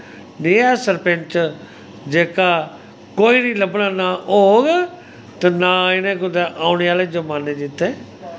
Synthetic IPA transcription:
neːɛːsəɾpɛnt͡ʃ | d͡ʒeːkaː | koːiːnĩːləbnaːnaːʔoːɡ | t̪enaːɪnẽːkʊd̪eʔaːʊneːaːleːd͡ʒəmaːneːd͡ʒɪt̪ːeː

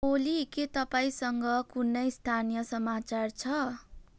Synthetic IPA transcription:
oliket̪ʌpaĩsʌŋɡʌkunːʌjst̪ʰanijʌsʌmat͡sart͡sʰʌ

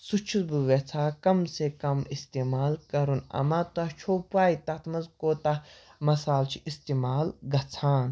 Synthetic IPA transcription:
sut͡ʃʰuzbuʋet͡sʰaːkɐmsekɐmist̪eːmaːlkɐɾunɐ̰mat̪ɐt͡ʃʰoːpuaːit̪ɐt̪ʰmɐzkoːt̪a | mɐsaːlt͡ʃʰiʔist̪eːmaːlɡɐt͡sʰaːn

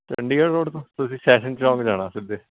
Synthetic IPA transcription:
t̪ə̰̃ɳɖiːəɾɾoːɖt̪õːt̪ʊsĩːsɛːʃənsɾɔ̃ːŋɡd͡ʒaːɽ̃aːsɪd̪eː

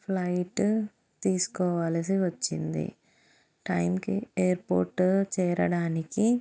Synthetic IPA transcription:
pʰlɐjʈ | t̪iːsu̥kɔːʋaːlɐs̬iʋɐt͡ʃːḭnd̪ḭ | ʈɐjmkieːɐɾpoːɾʈt͡ʃɛːɾɐ̰ɽaːniki

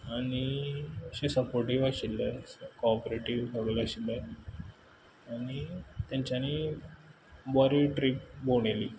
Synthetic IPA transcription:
aɽ̃iɕesəpoɾʈiʋaɕilːəkɔpɾeʈiʋbʱəɡlaɕilə | aɽ̃it̪jãɲt͡ɕjaniː | bɔɾiʈɾiːpboɳ̃eliː

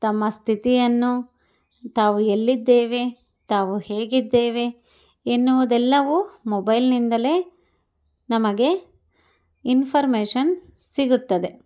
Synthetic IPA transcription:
t̪ɐmːɐst̪ʰit̪ijɐnːu | t̪aːʋuelːid̪ːe̞ːʋe̞ | t̪aːʋuheːɡid̪ːeːʋe̞ | enːuʋud̪ɛlːɐʋumobɐjlnind̪ɐle̞ː | nɐmɐɡe̞ | inpʰɐɾmeːʂɐn | siɡut̪ːɐd̪e̞

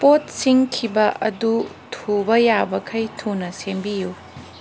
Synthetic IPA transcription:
pot̚siŋkʰibɐʔɐdu | tʰubɐjabɐkʰɐjtʰunɐsembiju

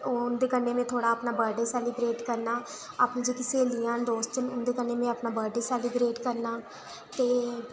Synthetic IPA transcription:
ʊnd̪eːkənːẽːmẽːt̪ʰoːɽaːəpnaːbəɖeːsɛːlɪbɾeːʈkəɾnaː | aːpnĩːd͡ʒeːkɪseːlɪjãːnd̪oːst͡ʃənʊnd̪eːkənːeːmẽːəpnaːbəːɖeːsɛːlɪbɾeːʈkəɾnaː | t̪eː

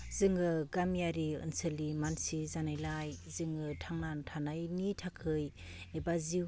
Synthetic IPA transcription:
zɯŋɯɡamijaɾiɯ̰nsɯlimansizanajlajzɯŋɯtʰaŋnantʰanajnitʰakʰɯj | ebazi

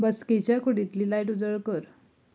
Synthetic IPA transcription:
bəsket͡ɕjakuɽĩt̪liːlajʈud͡zəɭkəɾ

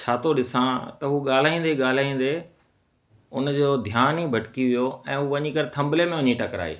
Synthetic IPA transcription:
t͡ɕʰaːt̪ʰoɗɪsãt̪ɐɦuɠaːl̤aːĩːnd̪eɠaːl̤aːĩːn̆d̪e | ʊnd͡ʑoːd̪ʱjaːniːbʱɐʈkiʋijoɛ̃ːɦuːʋɐɲikɐɾɪt̪ʰɐ̃mblemẽʋɐɲiʈɐkɾa̰ːḛː

